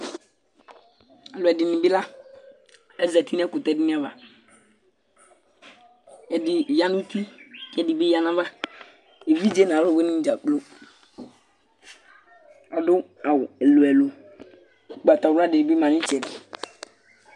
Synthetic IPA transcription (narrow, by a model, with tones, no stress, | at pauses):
a˨lʊ˨ɛ˨dɪ˨nɪ̃˨bɪ˦la˦ | ɛ˦zɛ˨ti˦n˦ɛ˦kʊ˨tɛ˦˨dɪ˦nɪ̃˦a˦va̰˨ | ɛ˨dɪ˨ja˨nu˦ti˦kɛ˨dɪ˨bi˦ja˨na˦va˦ | e˨vi˦d͡ʒe˦nã˨˦ɾo˦˨be˦nɪ̃˦d͡ʒa˨k͡plo˦ | ɔ˨dʊ˦ | a˨wɛ˨lo˨ɛ˨lo˨ | k͡pa˨ta˨wa˦˨dɪ˨ɪ˨bi˦mã˨nɪ̃˦t͡ʃɛ˨dɪ˨